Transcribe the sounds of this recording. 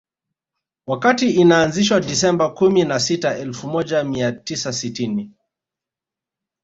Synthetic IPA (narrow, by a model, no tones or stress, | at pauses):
wakatiinaːnziʃwaɗisɛmbakuminasitaɛlfumɔʄamiatisasitini